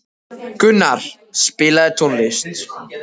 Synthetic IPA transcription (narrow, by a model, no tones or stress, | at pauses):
kʏnːaɾ̥ | spɪːlaðɛt̪ʰonlɪst̪